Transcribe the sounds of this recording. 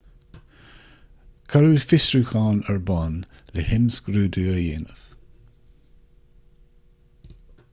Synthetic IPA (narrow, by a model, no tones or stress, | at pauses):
kʰaɾuːfɪsɹuxɑːnəɹbɑːnlɪhɪmsɡ̥ɾuːd̪uːəjḛːnəf